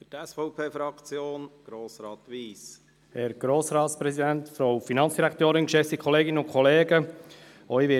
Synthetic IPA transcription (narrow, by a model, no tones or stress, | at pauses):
fytɛsfɔʊpʰeːfɾɑkt͡sjoːnɡ̥ɾoːsɾɑːt̪ʋiːs | hɛɾɡ̥ɾoːsɾɑːtspɾɛsidæntfɾɔwfinɑnt͡sd̥iɾækʰt̪øːɾɪnkʃɛftikʰχɔleːɡɪnəʊnkʰχɔleːɡə | œɥʋɪ